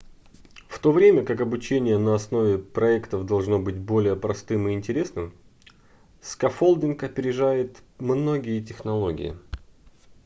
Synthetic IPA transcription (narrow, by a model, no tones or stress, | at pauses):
ft̪o̞vɾʲemʲəkakɐbʊt͡ɕenʲɪjənəɐsno̞vʲɪpɾɐɛkt̪əvd̪ɐlˠʐno̞bɨtʲbo̞lʲɪjəpɾɐst̪ɨmɨɪnʲtʲɪɾʲe̞snɨm | skɐfolˠdʲɪnkɐpʲɪɾʲɪʐajɪt̪mno̞ɡʲɪjət̬ʲɪxnɐlˠo̞ɡʲɪ̰jɪ̰